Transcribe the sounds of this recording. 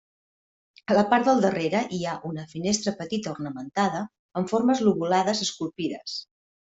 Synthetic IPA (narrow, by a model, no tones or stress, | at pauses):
ələpaɾt̪d̪əlˠd̪əreɾəʔiaʔunəfinest̪ɾəpət̪it̪əurnəmənt̪aðə | əɱfoɾməzluβulaðəzəskulˠpiðəs